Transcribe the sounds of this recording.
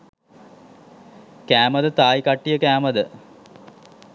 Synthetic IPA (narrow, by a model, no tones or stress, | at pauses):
kæːməd̪ət̪aːjikaʈːijəkæːməd̪ə